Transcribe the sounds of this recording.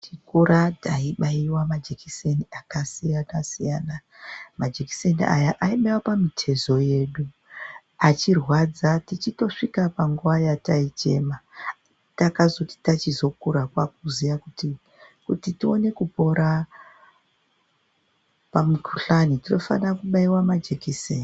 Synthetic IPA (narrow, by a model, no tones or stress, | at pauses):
tikuɾataiɓaiwamad͡ʒekiseniakasijanasijaːna | mad͡ʒeki̥seniʔa̰jaʔaiɓaiwapamitʰe̞zo̞je̞ːɗu | at͡ʃirwad͡zatit͡ʃito̞ʂikapaŋɡuʋajatait͡ʃe̞̰ma | takazo̞ti̥tat͡ʃizo̞kuɾakwak̚uzijakuti | kutitio̞ne̞kupo̞ɾa | pamukʰuɬanitino̞fa̰nakuɓaiwamad͡ʒekiseːni